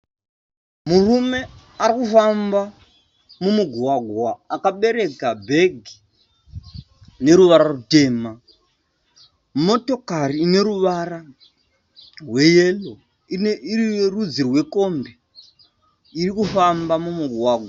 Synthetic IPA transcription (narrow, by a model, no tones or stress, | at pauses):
murume̞ | aɾikufamba | mumuɡʱuwaɡʱwaːkaɓe̞ɾe̞kabʱeɡʱi | ne̞ɾuʋaɾarute̞ːma | mo̞to̞kariːne̞ɾuʋara | rwe̞jelo | inirierud͡zirwe̞ko̞mbe | irikufambamumuɡʱwaːɡʱwa